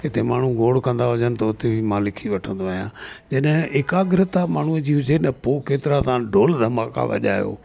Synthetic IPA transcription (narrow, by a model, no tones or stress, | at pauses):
kɪt̪emaːɳ̤ũɡoːɽkɐ̃nd̪aɦʊd͡ʒənɪ̆t̪ɐʊt̪ebʱimãːlɪkʰiʋɐʈʰə̃nd̪oaːɦijã̰ːd͡ʑɐɗɦɪ̃ɪːkaɡɪɾɪt̪amaːɳ̤uəd͡ʑiːɦʊd͡ʑenɐpoːkeːt̪ɪɾat̪ãːɖoːld̪ʱɐmaːka̰ʋɐ̰ʄa̰ːjo̰ː